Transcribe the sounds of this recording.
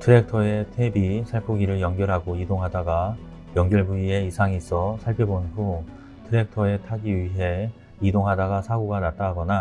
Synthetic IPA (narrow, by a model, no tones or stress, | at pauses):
tʰɯɾe̞k̚tʰʌe̞tʰebisʰaɭpʰoɡiɾɯɭjʌŋɡjʌɾɦaɡoidoŋɦadaɡa | jʌŋɡjʌɭbuie̞isʰaŋis͈ʰʌsʰaɭpʰjebonɸu | tʰɯɾe̞k̚tʰʌe̞tʰaɡiɥiɦe̞ | idoŋɦadaɡasʰaɡoɡanat͈aɦaɡʌna